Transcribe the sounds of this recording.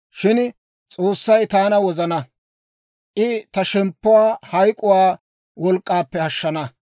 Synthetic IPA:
ʃɪn | t͡sʼoːsːɐjt̪aːnɐwɔzɐnɐ | ʔɪt̪ɐʃɛmpːʊwaːhɐjkʼʊwaː | wɔlkʼːaːpːɛhɐʃːɐnɐ

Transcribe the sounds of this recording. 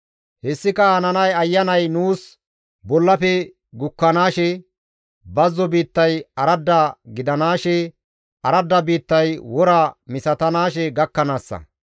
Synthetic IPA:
hɛsːɪkɐhɐnɐnɐjɐjːɐnɐjnuːs | bɔlːɐfɛ | ɡʊkːɐnaːʃɛ | bɐzːɔbiːt̪ːɐjɐɾɐd̪ːaɡɪd̪ɐnaːʃɛ | ɐɾɐd̪ːɐbiːt̪ːɐjwɔɾamɪsɐt̪ɐnaːʃɛɡɐkːɐnaːsːɐ̰

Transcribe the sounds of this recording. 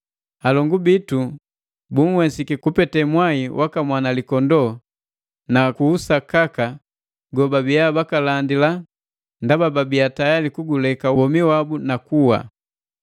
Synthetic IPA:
alɔŋɡubitu | buŋ̩wɛsikikupɛtɛmwaiwʔakamwanalikɔndɔ | nakuːsakaka | ɡɔbabijabakalandila | ndabababiatajalikuɡulɛkabɔmiwabunakuwa̰

